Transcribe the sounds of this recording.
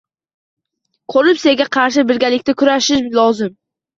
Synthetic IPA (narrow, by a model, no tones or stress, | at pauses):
kʰoɾɪpseɡʲaqʰɑɾʃ̬ɪbɪɾɡʲalɪkʲt̪akʰʊɾaʃɪʃlɒzɪm